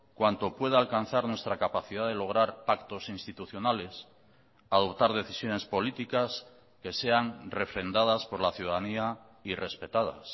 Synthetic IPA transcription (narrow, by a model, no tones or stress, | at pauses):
kwant̪o̞pwe̞ð̞aalkan̟θaɾnwe̞st̪ɾakapaθiðaðe̞lo̞ɣ̞ɾaɾpakt̪o̞sinst̪it̪uθjo̞nale̞s | aðo̞pt̪aɾðe̞θisjo̞ne̞spo̞lit̪ikas | ke̞se̞aŋre̞fɾe̞nd̪að̞aspo̞ɾlaθjuðaðania | ire̞spe̞t̪að̞a̰s